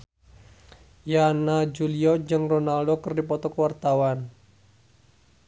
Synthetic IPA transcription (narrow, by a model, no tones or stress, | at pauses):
janad͡ʒuliɔd͡ʒɨŋronaldokərdipɔt̪ɔkəwart̪awan